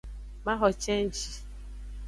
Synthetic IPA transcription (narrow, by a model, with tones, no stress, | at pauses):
ma˦ɦɔ˨t͡ʃe˦n̩˦t͡ʃi˦